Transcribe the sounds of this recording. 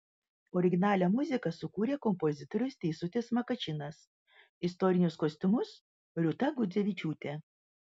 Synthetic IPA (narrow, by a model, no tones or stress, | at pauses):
ɔːɾʲɪɡʲɪnɑːlʲɛmʊzʲɪkɐsʊkuːɾʲeːkɔmpozʲɪt̪ɔɾʲʊst̪ʲɛɪsʊt̪ʲeːsmɐkɐt͡ʃʲɪnɐs | ɪst̪ɔɾʲɪnʲʊskoːsʲt̪ʲʊmʊs | ɾʲʊt̪ɐɡʊd̪zʲeʋʲɪt͡ʃʲuːt̪ʲe